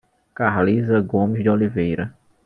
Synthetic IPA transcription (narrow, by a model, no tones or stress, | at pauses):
kaɦlizɐɡõmɪzd̪ɪolivejɾɐ